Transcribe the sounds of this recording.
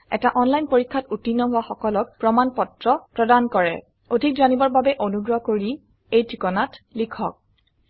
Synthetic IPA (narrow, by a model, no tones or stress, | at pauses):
ɛ̰taʔɔnlajnpoɹikʰːatutinːɔɦʊwaxɔkɔlɔk̚pɹɔmanpɔtɹɔpɹɔdankɔɹɛ̰ | odʱik̚danibɔɹbabɛʔonuɡɹɔkoɹi | ejtʰikɔnatlikʰɔk̚